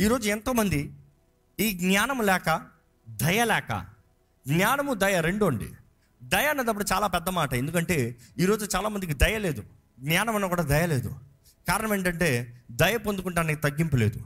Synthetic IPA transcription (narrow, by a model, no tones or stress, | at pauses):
iːɾo̞ːd͡ʒuɛnt̪o̞ːmɐnd̪i | iːɡnaːnɐmulɛːkɐ | d̪ɐjɐlɛːkɐ̰ | ɡɲaːnɐmud̪ɐjɐɾe̞ɳɖuɐɳɖḭ | d̪ɐjɐnːɐd̪ɐp̬ːuɽut͡ʃaːlaːpɛd̪ːɐmaːʈɐend̪ukɐɳʈe̞ːiːɾo̞ːd͡ʒut͡ʃaːlaːmɐnd̪ik̬id̪ɐjɐle̞ːd̪u | ɡɲaːnɐmɐnːɐkuːɽaːd̪ɐjɐle̞ːd̪u | kaːɾɐnɐmeːɳʈɐɳʈe̞ːd̪ɐjɐpond̪ukuɳʈaːɐnikit̪ɐɡːimpɐle̞ːd̪u